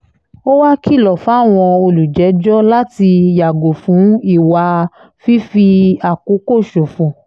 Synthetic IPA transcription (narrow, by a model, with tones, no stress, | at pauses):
o˦wa˦ki˦˨lɔ˨fa˦˨w̃ɔ̃˧o˧lu˨d͡ʒɛ˨˦d͡ʒɔ˦la˦ti˧ja˨ɡo˨fũ˨˦i˦˨wa˧ | fi˦fi˧a˨ku˨˦ko˦˨ʃo˨fũ˨